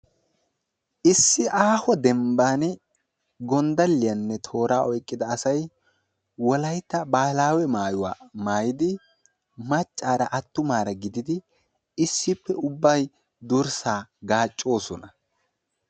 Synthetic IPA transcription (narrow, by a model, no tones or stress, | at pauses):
ʔɪsːɪʔaːhɔd̪ɛmbaːn | ɡɔnd̪ɐlːɪjɐnːɛt̪ʰo̞ːɾaːʔɔjkʼːɪd̪ɐːsɐj | wɔlɐjt̪ːɐbaːlaːwɛmaːjʊwa̰ːmaːjɪd̪ɪ | mɐt͡ʃʼːaːɾɐʔɐt̪ːʊmaːɾɐɡɪd̪ɪd̪ɪ | ɪsːɪpːɛʊbːɐj | d̪ʊɾsaːɡaːt͡ʃʼːo̞ːsɔnɐ